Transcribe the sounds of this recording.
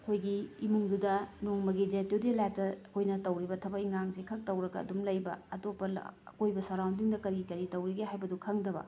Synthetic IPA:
ɐkʰojɡiːmuŋdudɐnoŋmɐɡidatewdelajp̚tɐɐkʰojnɐtɐwɾibɐtʰɐbɐiŋaŋsikʰɐk̚tɐwɾɐɡɐ̰ːdumlɐjbɐ̰ɐtopːɐ̰kojbɐsaɾawndiŋdɐkɐɾikɐɾitɐwɾiɡeɦajbɐdukʰɐŋdɐbɐ̰

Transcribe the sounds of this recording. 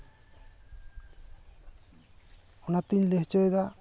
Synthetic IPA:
ɔnat̪iɲleɦt͡ʃɔjd̪a

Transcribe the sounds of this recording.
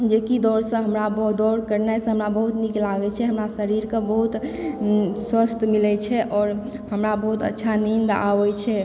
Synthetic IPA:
d͡ʒekid̪ɔɾsə̃ɦəmɾabd̪ɔɾkəɾnasə̃ɦəmɾabəɦut̪niklaɡɛt͡ʃʰɛɦəmɾasəɾiɾkẽbəɦut̪ | swəst̪ʰmilɛt͡ʃʰɛʔɔːɾ | həmɾabəɦut̪ə̰tːʃʰanind̪a̰ʋɛjt͡ʃʰɛ

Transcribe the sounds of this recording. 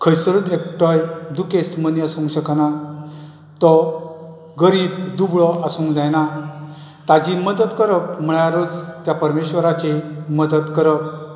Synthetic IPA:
kʰəjsəɾud̪ek̚ʈɔjd̪ukesməniasũŋɕəkna | t̪ɔ | ɡəɾiːbd̪ubɭɔʔasũŋkd͡zajna | t̪ad͡ʑiməd̪ət̪kəɾək̚m̤əɭaɾod͡zt̪japəɾmeɕʋəɾat͡ɕeməd̪ət̪kəɾək̚

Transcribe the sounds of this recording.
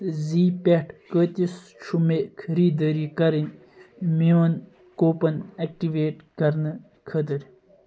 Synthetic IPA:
ziːpeʈʰkəːt̪is | t͡ʃʰumekʰɐɾiːd̪əːɾikɐɾin | miʋɐn | koːpɐnɐk̚ʈiʋeːʈkɐɾnɨ | kʰɐt̪əɾ

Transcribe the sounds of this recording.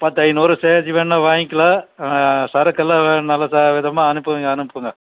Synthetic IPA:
pɐt̪ːɐɪnɔɾɯseːt͡ʃːiʋeːɳːaʋaːŋɪkːɪlaː | sɐɾɐkːɐlːaʋeːnɐlːɐsaːʋɪðɐmaːɐnɯpːɯʋɯŋɡɐɐnɯpːɯŋɡɐ

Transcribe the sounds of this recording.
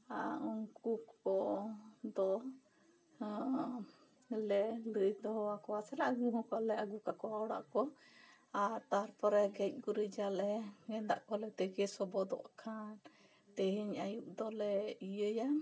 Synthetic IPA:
aɔŋkukɔ | d̪ɔ | lɛləjd̪ɔɦɔwakɔwasɛlaʔɡuɦɔ̃kɔlɛaɡukakɔaɔɽa̰ʔkɔ | aɾt̪aɾpɔɾɛɡɛc̚ˀɡuɾəd͡ʒalɛŋɛnd̪a̰ʔkɔlɛt̪ɛɡɛsɔbɔd̪ɔ̰ʔkʰan | t̪ɛɦiɲajuʔd̪ɔlɛijəja

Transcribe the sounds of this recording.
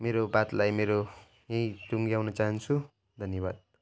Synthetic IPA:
meɾobat̪lajmeɾo | jãj̃t̪uŋɡijawnʌt͡saɦʌnt͡sʰu | d̪ʱʌnjʌβad̪̚

